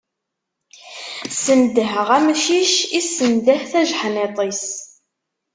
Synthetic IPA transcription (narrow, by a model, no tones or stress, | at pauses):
sənd̪əɦəʁæmʃiʃisənd̪əħθæʒħnet̪ˤis